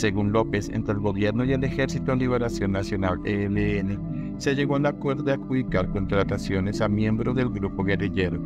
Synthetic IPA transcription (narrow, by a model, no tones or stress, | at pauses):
se̞ɣunlo̞pe̞sḛnt̪ɾeːlɡo̞βje̞ɾnoie̞le̞xe̞ɾsit̪oliβe̞ɾasjo̞nːasjo̞naleleene | se̞ʝe̞ɣoelakwe̞ɾðoðeakuβikaɾko̞nt̪ɾat̪asjo̞ne̞samje̞mbɾoðe̞lɡɾupo̞ɣe̞riʝeɾo